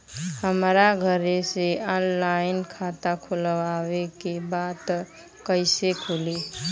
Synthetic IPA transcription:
həmɾaɡʱəɾeseɔnlajinkʰat̪akʰuləʋawekebat̪ | kəɪsekʰuli

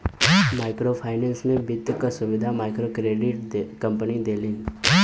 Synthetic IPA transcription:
maːɪkɾopʰaːɪnɛnsmẽbɪd̪ʱjəkasʊʋɪd̪ʱamaːɪkɾokɾeɖɪʈ̪kə̃mpənid̪eːlɪ̃ŋɡ

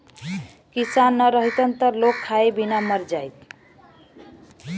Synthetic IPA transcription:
kisanːʌɾʌɦit̪ʌnt̪ʌɾlokʰːaebinamʌɾd͡ʒajt̪

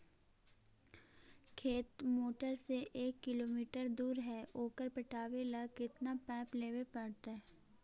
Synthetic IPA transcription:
kʰeːt̪moːʈəɾseʔeːkːɪloːmiːʈəɾd̪uːɾɦɛʔoːkəɾpɪʈʰaːʋeləkɪt̪napɛ̃ːpleːwepɐɽt̪aɛ

